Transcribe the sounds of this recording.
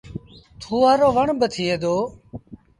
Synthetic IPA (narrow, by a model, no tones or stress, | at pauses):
t̪ʰuːaːɾoːʋəɳbət̪ʰiːeːd̪oː